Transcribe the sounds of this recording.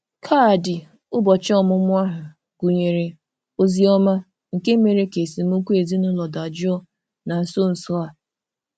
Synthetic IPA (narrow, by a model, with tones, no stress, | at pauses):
kʰaː˦˨dɪ˨ | ʊ˦bɔ˨t͡ʃɔ˦mʊ˦mʊ˦a˦ɦʊ˨ | ɡu˨ɲe˨ɾe˨ | o˦zi˦ɔ˦ma˦ | ŋ̩˨ke˦me˨ɾe˦ke˨si˨m̩˦u˦kʷu˦e˨zi˦nʊ˦lɔ˨da˨d͡ʒɔ˦˨ | na˨n̩˨so˦n̩˨sɔ˦a˨